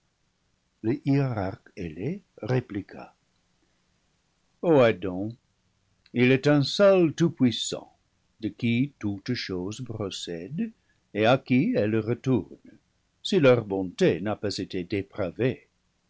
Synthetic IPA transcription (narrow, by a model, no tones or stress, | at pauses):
ləʔiʁakele | ʁeplikʰa̰ | oadɔ̃ | ilɛtɛ̃sɔltupwisɑ̰̃ | dəkitutʃozpʁɔsɛd | eakiɛlʁətuʁn | silœʁbɔ̃tenapazetedepʁave